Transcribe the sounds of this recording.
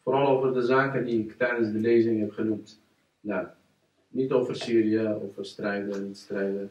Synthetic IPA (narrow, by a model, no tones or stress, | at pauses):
foɾɑlˠowvərdəzaːkəndiɪktɛjdənzdəlejzɪŋɦɛpχənumt | ja | nitowvərsiːɾiəo̰wfərstrɛjdənitstrɛjdə